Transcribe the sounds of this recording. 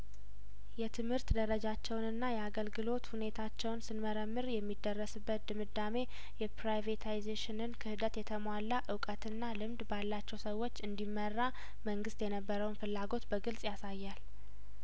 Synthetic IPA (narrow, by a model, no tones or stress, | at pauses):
jɛt̪ʰɨmhɨɾt̪d̪əɾəd͡ʒat͡ʃːɛwnɨnːajɛaɡəlɡɨlo̞t̪hune̞t̪ʰat͡ʃːɛwnsɨnməɾəmːɨɾjɛmːid̪ːərːəsɨbːət̪̚d̪ɨmɨd̪ːame̞ | jɛpɾajvet̪ʰajzeʃɪnɨnkʰɨhɨd̪ət̪jɛt̪ʰəmwalːaʔɨwkʼət̪ʰɨnːalɨmd̪balːat͡ʃːɛwsəwːo̞t͡ʃːɨnd̪imːərːa | məŋɡɨst̪jɛnəbːəɾəwnfɨlːaɡo̞t̪bəɡɨlsʼjasajːal